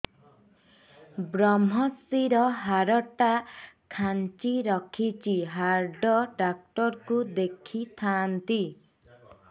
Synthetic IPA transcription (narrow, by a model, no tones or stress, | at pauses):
bɾɔmɔsiɾɔɦaɾɔʈakʰant͡ʃiɾɔkʰit͡ʃʰiɦaɾɖɔɖak̚ʈɔɾkud̪ekʰit̪ʰant̪i